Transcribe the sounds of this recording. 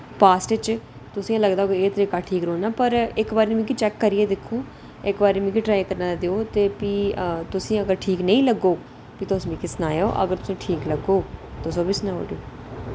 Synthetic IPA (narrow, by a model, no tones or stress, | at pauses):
paːsʈt͡ʃ | t̪ʊsĩːãləɡd̪aːoːkieːt̪ɾiːkaːʈʰiːkɾoːnaːpəɾɪkbaːɾːmĩːk̬it͡ʃɛːkːəɾiːeːd̪ɪkʰːũː | ɪkbaːɾiːmĩːkiːʈɾaːjkəɾnaːd̪eoːt̪eːpiːt̪ʊsĩːəɡəɾʈʰiːknə̃ĩːləɡːoː | piːt̪oːsmĩːkɪsnaːjoːʔə̰ɡəɾt̪ʊ̥sĩːʈʰiːkləɡoːt̪osoːbiːsnaːo̰ːɖeoː